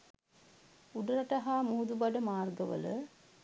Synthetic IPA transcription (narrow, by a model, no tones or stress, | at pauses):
uɖɐɾaʈaɦaːmuːd̪ubaɖəmaːrɡəʋə̰lə